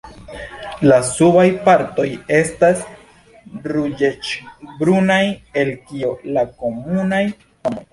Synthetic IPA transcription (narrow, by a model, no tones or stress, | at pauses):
lasuβajpaɾto̞je̞stas | ɾud͡ʒet͡ʃbɾunaje̞lkiolako̞munaj | ono̰j